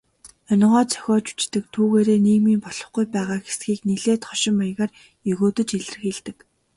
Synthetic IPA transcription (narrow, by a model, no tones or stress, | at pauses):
œn̆ʲʁɔːt͡sʰœ̥xʲɔːt͡ɕu̥t͡ɕt̪ɘ̆k̚t̪ʰuːɣeːɾeːniːɣmiːmpɔɮ̥ɞ̆χɡujpæːʁaːxesɡiːkneɮeːt̪χɔʃɪ̆maj̆ʁaːr | jɵɣoːt̪ɵ̆t͡ɕeɮ̆rɘ̆xeɮt̪ɘ̆k